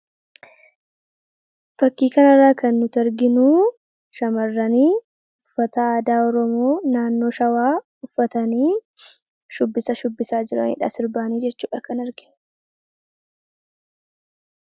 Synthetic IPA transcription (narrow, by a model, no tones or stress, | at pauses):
fɐkːiːkɐnɐrːaːkɐnːʊt̪ɐɾɡɪnuː | ʃɐmɐrːɐniː | ʊfːɐt̪ɐaːd̪aːɔɾɔmoːnaːnːo̞ːʃɐwaː | ʊfːɐt̪ɐniː | ʃʊbːɪsɐʃʊbːɪsaːd͡ʒɪɾɐ̰nḭːᶑɐ̰sɪɾbaːniːd͡ʒɛt͡ʃːuːᶑɐkɐnɐɾɡɪ̥